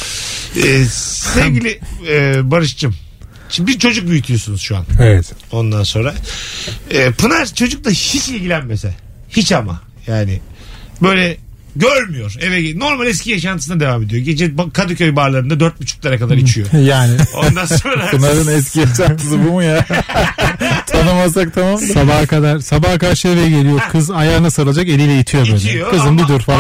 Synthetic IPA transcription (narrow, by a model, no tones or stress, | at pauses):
ɛːsɛvɟilʲiɛbaɾɯʃt͡ʃʰɯm | t͡ʃʰbiɾt͡ʃʰo̞d͡ʒuk̚byjyt̪ʰyjo̞sunuzʃua̰nevɛt̪o̞nd̪anso̞nɾa | ɛːpʰunaɾt͡ʃʰo̞d͡ʒuk̚lˠaʃiʃilʲɟilʲænmesɛ | hit͡ʃama̰ | jaːnɪ | bø̞jlʲɛ | ɟøɾmyjo̞ɾɛvɛno̞ɾmalʲɛscʰʲijaʃanɯsɯnad̪e̞vaːme̞d̪ijo̞ɟed͡ʒɛbakʰad̪ucø̞jbaɾlˠaɾɯnd̪ad̪øɾt̪̚but͡ʃʰu̥k̚lˠaɾakad̪aɾit͡ʃʰijojaːnɪod̪anoɾapunaɾɯnɛs̬cijaʃant̪ʰɯs̬ɯbumuja | t̪ʰanɯmazsak̚t̪ʰamamlsabahkad̪aɾ̥sabahkaɾʃɯjevɛjɛɟe̞lʲijo̞kʰɯzajaːɾnasaɾɯlˠad͡ʒake̞lʲijlʲɛjit̪ʰijo̞bøjnɛijoɯzɯnbid̪uɾfaɾ